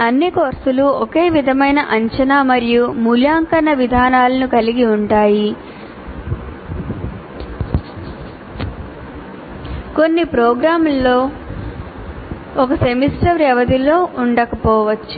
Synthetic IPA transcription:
ɐnːikoːɾsuluoke̞ːʋid̪ʱɐmɐjnɐʔɐɲt͡ʃɐnaːmɐɾijumuljaːŋkɐnɐʋid̪ʱaːnaːlɐnukɐliɡiuɳʈaːji | ko̞nːipɾɔːɡɾaːmulːo̞ː | ɔkɐsemisʈɐʋɾɛʋɐd̪ilo̞ːʔuɳɖɐkɐpɔːʋɐt͡ʃːu̥

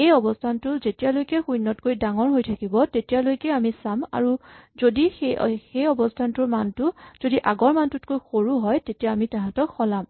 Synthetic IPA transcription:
ejɔbɔstʰantʊzetijalojkɛxujnːɔt̚kojdaŋɔɹɦojtʰakibɔtetijalojkɛamisama̰ɹuzodixexejɔbɔstʰantʊɹmantʊzodiʔaɡɔɹmantʊtkojxoɹuɦɔjtetijaːmitaɦãtɔkxɔlam

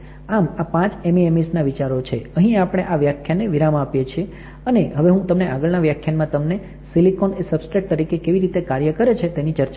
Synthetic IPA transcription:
amapãt͡ʃemiemisnaʋit͡ʃaɾot͡ʃʰeəɦĩapɽ̃eʔaʋjakʰjaneʋiɾamãapjet͡ʃʰie | əneɦəʋeɦũt̪əmneaɡəɭnaʋjakʰːjanmãt̪əmne | silikonesəbsʈɾek̚t̪əɾikekeʋiɾit̪ekaɾjəkəɾet͡ʃʰet̪enit͡ʃəɾt͡ʃ

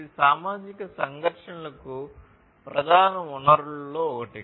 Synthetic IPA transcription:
isaːmaːd͡ʒikɐsɐŋɡʱɐɾʂɐnɐlɐku | pɾɐd̪ʱaːnɐunɐɾuloːɔkɐʈi

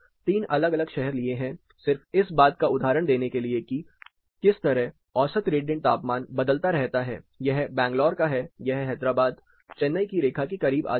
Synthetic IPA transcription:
t̪iːnɐləɡɐləɡʃɛɦɛɾlieɦɛ̃ | sɪɾfɪsbaːt̪kaʊd̪ʱaːɾəɽ̃d̪eːnekelieki | kɪst̪ɐɾɛɦ | ɔːsət̪ɾeːɖiə̃ɳʈ̚t̪aːpmaːnbɐd̪əlt̪aɾɛɦt̪aɦɛ̰ːjɐɦbɛ̃ːŋɡlɔːɾkaɦɛjɐɦɦɛːd̪ɾaːbaːd̪ | t͡ʃɛnːəikiɾeːkʰakikɐɾiːba̰ː

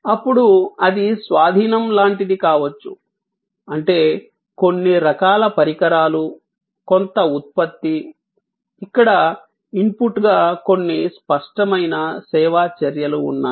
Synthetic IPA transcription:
ɐpːuɽuɐd̪isʋaːd̪ʱiːnɐmlaːɳʈid̪ikaːʋɐt͡ʃːṵ | ɐɳʈe̞ː | ko̞nːiɾɐkaːlɐpɐɾikɐɾaːlu | ko̞nt̪ɐut̪̚pɐt̪ːiː | kːɐɽɐ | impuʈɡaːko̞nːispɐʂʈɐmɐjnɐsɛːʋaːt͡ʃɐɾjɐlṵːnːaː

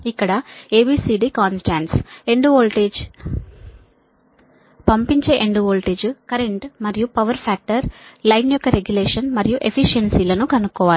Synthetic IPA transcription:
ikːɐɽɐeːbiːsiːɖiːkaːnsʈaːɳʈse̞ɳɖʋoːlʈeːd͡ʒ | pɐmpiɲt͡ʃe̞ːʔeɳɖoːlʈeːd͡ʒkɐɾe̞ɳʈmɐɾijupɐʋɐɾpʰaːk̚ʈɐɾlɐjnjɔkːɐɾeɡjuleːʂɐnmɐɾijuʔe̞pʰiʃɐnsiːlɐnukɐnukːɔːʋaːlu

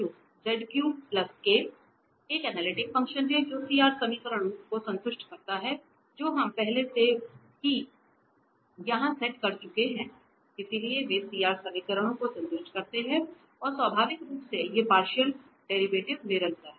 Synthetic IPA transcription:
oː | d͡ʒɛɖkjũːmplɐskeː | eːkɛnɛːlɪʈɪkfɐ̃ŋkʃənɦɛd͡ʒoːsiːaːɾsɐmiːkəɾəɽ̃õkosɐ̃nt̪ʊʃʈkɐɾt̪aɦɛ | d͡ʒoːɦɐmpɛɦlese | ki | jɐɦãsɛʈkɐɾt͡ʃʊkeɦɛ̃ | ɪsilieʋesiːaːɾsɐmiːkəɾəɽ̃õkosɐ̃nt̪ʊʃʈkɐɾt̪eɦɛ̃ | ɔːɾsʋabʱaːʋɪkɾuːpsejepaːɾʃəl | ɖeːɾibeːʈɪʋnɪɾəlt̪aɦɛː

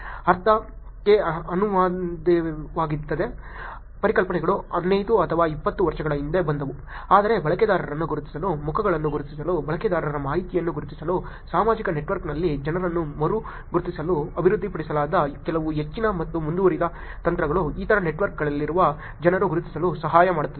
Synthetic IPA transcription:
ɐɾt̪ʰɐ | keɐnuʋaːd̪ɐʋaːɡit̪ːɐd̪e̞ | pɐɾikɐlpɐɳɛɡɐɭuɐd̪nejd̪uɐt̪ʰɐʋaːipːɐt̪ːuʋɐɾʂɐɡɐɭɐind̪ebɐnd̪ɐʋu | aːd̪ɐɾe̞bɐɭɐkɛd̪aːɾɐɾɐnːuɡuɾut̪i̥sɐlumukʰɐɡɐɭɐnːuɡuɾut̪is̬ɐlubɐɭɐkɛd̪aːɾɐɐɾɐmaːɦit̪ijɐnːuɡuɾut̪isɐlu | saːmaːd͡ʒikɐneʈʋɐɾknɐlːid͡ʒɐnɐɾɐnːumɐɾu | ɡuɾut̪isɐluɐbʱiɾud̪ʱːipɐɽisɐlaːd̪ɐkɛlɐʋuɦet͡ʃːinɐmɐt̪ːumund̪uʋɐɾid̪ɐ | t̪ɐnt̪ɾɐɡɐɭuiːt̪ʰɐɾɐneʈʋɐɾk̚ɡɐɭɐlːiɾuʋɐ | d͡ʒɐnɐɾuɡuɾut̪i̥sɐlusɐɦaːjɐmaːɽut̪ːɐd̪

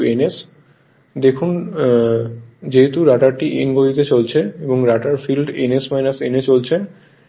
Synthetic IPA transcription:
enes | d̪ekʰun | d͡ʑeɦet̪uɾaʈaɾʈiʔenɡod̪it̪et͡ɕolt͡ɕʰeeboŋɾaʈaɾfilɖenesmajnasenet͡ɕolt͡ɕʰe

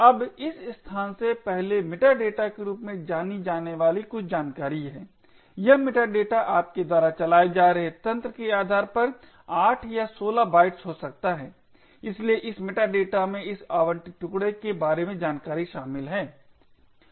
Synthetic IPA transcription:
ɐbɪsst̪ʰaːnsepɛɦlemɪʈaɖeːʈakeɾuːpmẽd͡ʒaːnid͡ʒaːneʋaːlikʊt͡ʃʰd͡ʒaːnkaːɾiɦɛː | jɐɦmɪʈaɖeːʈaʔaːp̚ked̪waːɾat͡ʃɐlaːed͡ʒaːɾɐɦet̪ɐ̃nt̪ɾəkeaːd̪ʱaːɾpɐɾ | aːʈʰjasoːlabaːɪʈsɦosɐk̚t̪aɦɛː | ɪslieʔɪsmɪʈaɖeːʈamẽɪsaːʋəɳʈʈʊkɽekebaːɾemẽd͡ʒaːnkaːɾiʃaːmɪlɦɛː

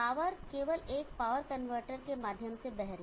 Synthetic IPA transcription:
aːʋəɾkeːʋəleːkpaːʋəɾkɐnʋəɾʈəɾkemaːd̪ʱjəmsebɛɦɾ

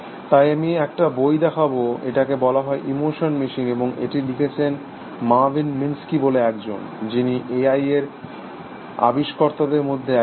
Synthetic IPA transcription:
t̪ajamieɛk̚ʈabojd̪ɛkʰaboeʈakebɔlaɦɔeʔimoʃonmiʃineboŋḛʈilikʰet͡ɕʰen | mavinminskiboleɛkd͡ʑo̰nd͡ʑiniʔeajeɾ | a̰biʃkɔɾt̪ad̪eɾmod̪ʱːe

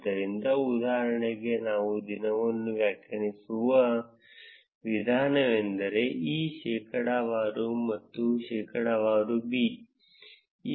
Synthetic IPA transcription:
d̪ɐɾind̪ɐud̪aːɦɐɾɐɳeɡe̞naːʋud̪inɐʋɐnːuʋjɐkːɐnisuʋɐ | ʋid̪ʱaːnɐʋend̪ɐɾe̞ʔiːʃɛːkʰɐɽɐʋaːɾumɐt̪ːuʃɛːkʰɐɽɐʋaːɾubiː | iː

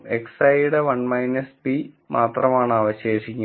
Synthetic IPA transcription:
eksɐjɽeʋɐɳmɐjnɐspi | mʔaːt̪rɐmaːɳaːʋɐɕeːʂikʲːu

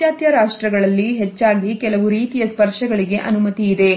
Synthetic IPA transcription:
jaːt̪jɐɾaːʂʈɾɐɡɐɭɐlːiɦet͡ʃːaːɡikɛlɐʋuɾiːt̪ijɐspɐɾʂɐɡɐɭiɡe̞ʔɐnumɐt̪iːd̪e̞

